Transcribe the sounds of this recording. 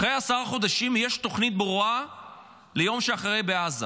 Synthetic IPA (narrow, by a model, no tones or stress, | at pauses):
ʁe̞jasaʁaχo̞d̪aʃimjeʃt̪o̞χnit̪̚bʁua | le̞jo̞mʃeaχʁe̞jbeaza